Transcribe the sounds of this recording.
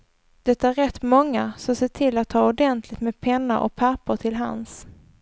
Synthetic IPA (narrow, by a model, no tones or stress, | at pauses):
d̪̥ɛt̪ːaæɾɛt̪ːmɔŋːasɔmseːʈʰɪlːat̪ʰːɑːʊɖɛnt̪ʰlɪɡt̪meːd̪̚pʰɛnːaɾʔɔ̰k̚pʰæpəʈ̪ʰɪlɦa̰ns